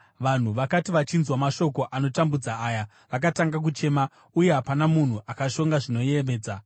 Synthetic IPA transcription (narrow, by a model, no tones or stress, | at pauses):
ʋan̤uʋakatiʋat͡ʃinzwamaʃo̞ko̞ʔano̞tambud͡zaːja | ʋakataŋɡak̬ut͡ʃe̞ːma | uje̞ɦapanamun̤uʔakaʃo̞ŋɡaʐino̞jeme̞ːd͡za